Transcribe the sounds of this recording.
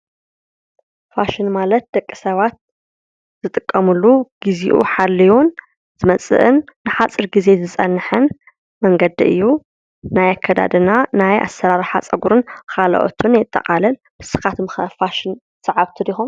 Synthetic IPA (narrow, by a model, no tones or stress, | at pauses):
faʃɪnmalɐt̪̚d̪̥ɐkʼːisɐβat̪̚ | z̥ɨt̪ʼɨkʼːɐmulːuɡ̥izḭʔṵħalːiwun | z̥ɨmɐt͡sʼɨ̰ʔɨnːɨħat͡sʼɨɾɡize̞zɨt͡sʼɐnːħɨn | mɐŋɡɐd̪ḭʔɨ̰jːu | najakʰːɐd̪a̰d̪ɨnanajʔa̰sɐɾaɾħat͡sʼɐɡuɾɨnkʰalɐ̰ʔo̰t̪ʰunjɛt̪ʼːɐ̰qʼalɐl | b̥ɨsɨ̥kat̪mxɐfaʃɪn | sʼɐʕaβt̪ʰɨd̪ixum